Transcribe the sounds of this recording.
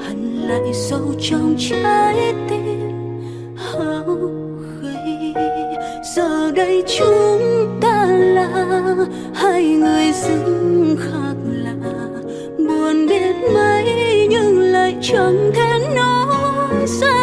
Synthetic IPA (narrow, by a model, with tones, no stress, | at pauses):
ʔa˨jŋ̟la̰ː˧˨jzə˧wt͡ɕɔ˧wŋ͡mt͡ɕa˧jt̪e˧ | ha˨˧w | ɣə˨˧˨j | z̥əː˨˩ɗə˧jt͡ɕu˧ŋt̪aː˧˩laː˧˩ | ha˧jŋɨ˨˩əjzɨ˧˦ŋŋxaː˦k̚laː˧˨˩ | ɓu˨˩ənɗe˧nmə˧jɲɨ˧ŋlaː˧˨jt͡ɕɔ˨˧˩ŋt̪ʰɛ˧nno˧ | sa˧